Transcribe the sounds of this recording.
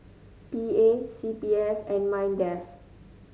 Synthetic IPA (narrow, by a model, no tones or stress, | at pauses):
piesipiɛsɛ̃nmãj̃ndɛf